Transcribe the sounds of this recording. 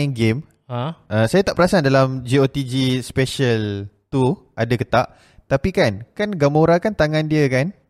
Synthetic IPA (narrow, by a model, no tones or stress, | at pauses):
ɛnɡem | ʔəsajat̪aʔpəɾasadalamd͡ʒiot̪id͡ʒispɛʃəlt̪u | ʔadakət̪aʔ | t̪apikankanɡamoɾakant̪aŋãndiəkan